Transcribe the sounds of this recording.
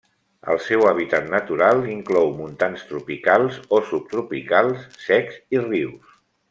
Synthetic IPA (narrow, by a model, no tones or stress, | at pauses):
ə̰lˠsɛwəβ̞it̪at̪nət̪uɾalˠiŋklɔwmunt̪anst̪ɾupikalˠzosup̚t̪ɾupikalˠsːɛkziriws